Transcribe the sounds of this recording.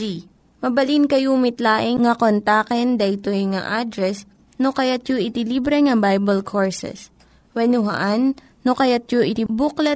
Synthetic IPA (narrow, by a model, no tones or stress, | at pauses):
i | mɐbɐlinkɐjumɪt̪laːʔɪŋŋɐkont̪aːkɛnd̪ɐʔɪt̪ojŋa̰ʔad̪ɾɛs | nokɐjat̪̚joʔɪt̪ɪliːbɾɛŋɐbajbɐlkʰoɹsɛ̰s | wɛnʊɦɐ̰ʔanː | okɐjat̪̚joʔɪt̪ɪbuklɐ